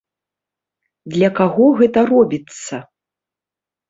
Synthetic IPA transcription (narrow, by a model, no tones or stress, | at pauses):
d̪lʲɐkaɣɔɣɛt̪ɐrɔbʲit̪sːɐ